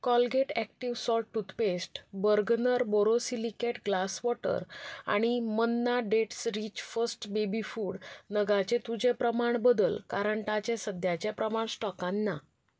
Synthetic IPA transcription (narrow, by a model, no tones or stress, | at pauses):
kɔlɡeʈæk̚ʈiʋsɔlʈut̪pesʈbəɾɡnəɾbɔɾosilikeʈɡlasʋɔʈə̰ɾa̰ɽ̃imənːaɖeʈsɾit͡ɕfəsʈbebifuːɽnəɡat͡ɕet̪ud͡ʑepɾəmaɳbəd̪əlkaɾəɳʈat͡ɕẽsəd̪ʱjat͡ɕjepɾəmaɳ̃sʈɔkãnːa